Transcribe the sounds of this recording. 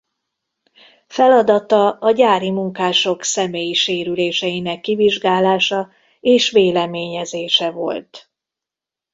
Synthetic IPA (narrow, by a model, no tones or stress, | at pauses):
fɛlɒd̪ɒt̪ɒɒɟaːɾimuŋkaːʃo̞ksɛmeːjiʃeːɾyleːʃɛjinɛkːiviʒɡaːlaːʃɒ | eːʃʋeːlɛmeːɲɛzeːʃɛvo̞̰lt̪